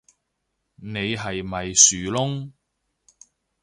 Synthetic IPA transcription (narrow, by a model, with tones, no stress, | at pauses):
ne˨˧jɦɐ˨jmɐ˨jsyː˨lʊ˥ŋ